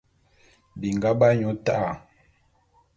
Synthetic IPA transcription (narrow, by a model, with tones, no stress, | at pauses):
bi˨ŋ˨ɡa˦ba˦ɲɔ˨˦ta˦ʔa˨